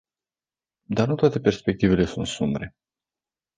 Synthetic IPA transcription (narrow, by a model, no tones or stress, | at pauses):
d̪arnut̪oat̪e̞pe̞rspe̞k̚t̪ive̞le̞sunt̪sumbɾe̞